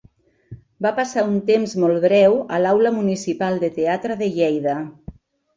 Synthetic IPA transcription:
bapasaunt̪emzmɔlˠβɾɛwəlawləmunisipalˠd̪ət̪eat̪ɾəðəʎɛjðə

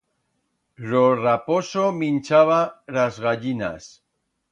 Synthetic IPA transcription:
ɾoraposomint͡ʃaβ̞alazɣaʎina̰s

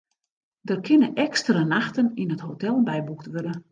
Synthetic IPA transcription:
dərkʰɪnəʔɛkstərənaxtəninəthotɛlˠbɛjbuktʋørdə

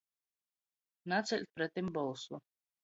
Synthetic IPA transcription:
nat̪sɛlʲt̪̚pɾɛt̪imbɔlˠswɔ

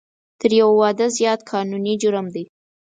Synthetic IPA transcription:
t̪əɾjawawɑd̪əzjɑt̪kʰɑnunid͡ʒʊɾəmd̪e

